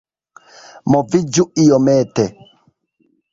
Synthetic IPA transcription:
mɔvid͡ʒuijɔmɛːtɛ

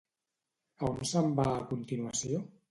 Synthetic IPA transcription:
aonsəmbaːkunt̪inuəsio

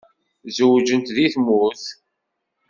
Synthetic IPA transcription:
zəwd͡ʒənt̪ðiθmuθ

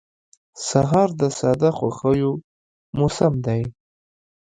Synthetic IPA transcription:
saɦɑɾd̪əsɑd̪axwa̰xəjo | mʊsamd̪aj

